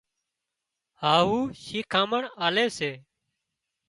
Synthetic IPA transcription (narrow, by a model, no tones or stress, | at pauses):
haːɦuːʃiːkʰãːməɳaːleːseː